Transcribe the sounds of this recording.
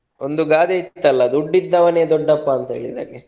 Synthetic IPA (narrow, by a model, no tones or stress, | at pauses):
ond̪uɡaːd̪eit̪ːɐlːɐd̪uɖːid̪ːɐʋɐneːd̪ɔɖːɐpːɐːnt̪ɐɦḛːɭid̪a̰ːɡe